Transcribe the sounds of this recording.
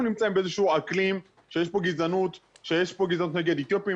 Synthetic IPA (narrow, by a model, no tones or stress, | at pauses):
nunimt͡saimbeezeʃuuaklim | ʃejeʃpo̞ɡizanut̪ | ʃejeʃpo̞ɡizanut̪ne̞ɡed̪et̪jopi